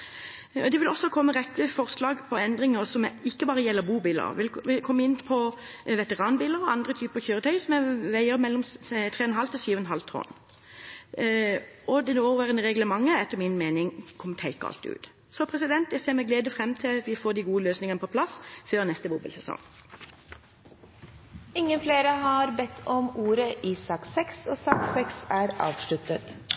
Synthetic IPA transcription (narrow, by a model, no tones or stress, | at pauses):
ɔd̪ɛʋɪlɔsːɔkʰɔmːəɾɛt̪ːəfɔʁslɑːɡpʰɔɛnd̪ʁɪŋəʁsɔmɪkːəbɑːʁəjɛlːəɾbuːbɪlə̰ɾʋɪlʋɪkʰɔmːəɪnːpʰɔ | ʋɛt̪əʁɑːnbɪləɾɔɑnd̪ɾət̪ʰyːpəʁçøːɾət̪ʰœʏsɔmɛʋæɪəɾmɛlːɔmt̪ʰʁeːɔnɦɑlt̪ʰɪlsyːʋənɦɑlt̪ʰɔ̰n | ɔd̪ɛnoːʋæːʁənəʁɛɡləmɑŋːəɛt̪ːəʁmɪnmeːnɪŋkʰɔmːt̪ʰæɪkəɑ̰lt̪ɪʉ̰ːt̪ | sɔpʰɾɛsɪd̪ɛnt̪jæɡseːʁmɛɡleːd̪əfʁɛmt̪ʰɪlɑt̪ʋɪfoːd̪iɡuːəløːsnɪŋənəpʰɔpʰlɑsføːʁnɛst̪əbʊbəlsɛsɔ̰ŋ | ɪŋːənfleːɾəhɑɾbɛt̪ʰːɔmuːɾəʔiːsɑksɛksoːsɑksɛksæːɾɑ̰ːʋʂɭʉt̪ət̪